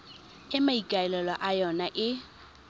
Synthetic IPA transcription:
ɪmaikʼaɛlɛlɔʔajɔnaʔɪ

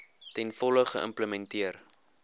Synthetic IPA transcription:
tɛnfɔləχəʔə̰mpləmɛntiər

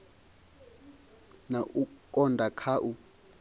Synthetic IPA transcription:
naʔukʼɔndʱakʰaʔu

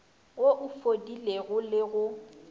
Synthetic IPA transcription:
oʔʊfodileɣʊlɪɣʊ

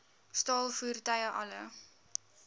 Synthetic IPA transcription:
stɑːlˠfuːrtɐjəʔɐlə

